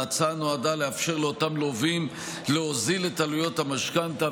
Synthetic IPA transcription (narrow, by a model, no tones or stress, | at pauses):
at͡sanoad̪aleafʃe̞ʁleot̪amlo̞vim | leozilet̪alujo̞t̪hamaʃkant̪a